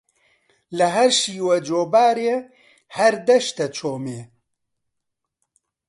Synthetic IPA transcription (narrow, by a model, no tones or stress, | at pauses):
lɐɦɐɾʃiːwɛd͡ʒoːbaːɾeː | hɛɾd̪ɛʃt̪ɛt͡ʃʰoːmeː